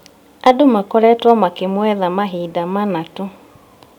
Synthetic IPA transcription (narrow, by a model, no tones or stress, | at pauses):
adomakɔɾɛtwɔmakemwɛðamaɦiːdamanato